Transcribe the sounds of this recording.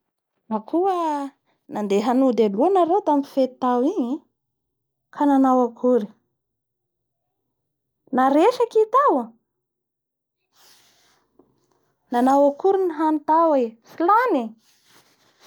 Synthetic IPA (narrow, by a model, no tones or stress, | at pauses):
nakʰuə | nand̪eɦanud̪eluanaɾewt̪amifet̪i̥t̪awiɲi | kʰananawakʰuɾi̥ | naɾeʃakit̪awə | nanawakuɾiniɦanit̪awefilani